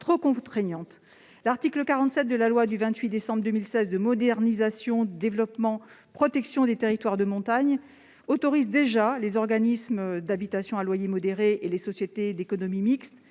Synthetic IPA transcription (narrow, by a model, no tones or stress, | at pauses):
t̪χokɔ̃t̪χɛɲɑ̃t̪ | laʁt̪ikləkaʁɑ̃t̪sɛt̪̚d̪əlalwad̪yvɛ̃t̪ɥid̪esɑ̃bʁd̪ømilsɛzd̪əmɔd̪ɛʁnizasjɔ̃d̪əd̪evlɔpmɑ̃ | pχɔt̪ɛksjɔ̃d̪et̪eʁit̪waʁd̪əmɔ̃t̪aɲ | ot̪ɔʁizd̪eʒalezɔʁɡanismd̪abit̪asjɔ̃alwajemɔd̪eʁeʔelesɔsjet̪ed̪ekɔnɔmimikst̪